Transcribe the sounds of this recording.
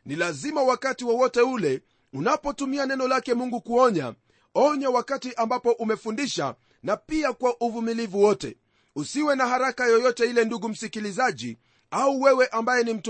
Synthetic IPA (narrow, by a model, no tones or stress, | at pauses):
nilazimawakatiwɔwɔtɛulɛ | unapɔtumianɛnɔlakɛmuŋɡukuɔɲa̰ | ɔɲawakatiʔambapɔʔumɛfundiʃa̰ | napiakwaʔuvumilivuwɔtɛ̰ | usiwɛnaɦaɾakajɔjɔtɛilɛnduɡum̩sikilizaʄḭ | auwɛwɛʔambajɛnim̩t